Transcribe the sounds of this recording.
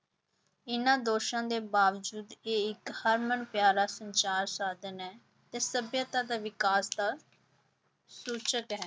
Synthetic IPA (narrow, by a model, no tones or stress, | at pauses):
ɪnãːd̪oːʃãːd̪eːbaːʋd͡ʒuːd̪eːɪkhəɾmənpjaːɾaːsəɲt͡ʃaːɾsaːd̪ənɛː | t̪eːsəbjət̪ãːd̪aːʋɪkaːsd̪aː | suːt͡ʃət̪ɦɛː